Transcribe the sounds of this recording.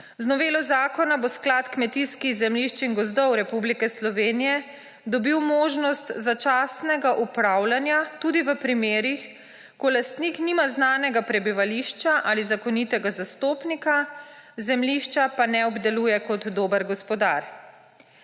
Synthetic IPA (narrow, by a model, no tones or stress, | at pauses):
znɔʋeːlɔzaːkɔnabosklat̪kmɛt̪iskiɣzɛmliʃt͡ʃiŋɡɔzd̪ɔwɾɛpublikɛslɔʋeːnijɛ | d̪ɔbiwmoːʒnɔst̪zat͡ʃaːsnɛɡaʔupɾawlanjat̪uːd̪iʋəpɾimeːɾix | kɔlast̪nikniːmaznaːnɛɡapɾɛbiʋaliʃt͡ʃaʔaːlizakɔnit̪ɛɡazast̪oːpnikazɛmliʃt͡ʃapanɛɔbd̪ɛluːjɛkɔt̪d̪oːbəɾɡɔspɔd̪a̰ɾ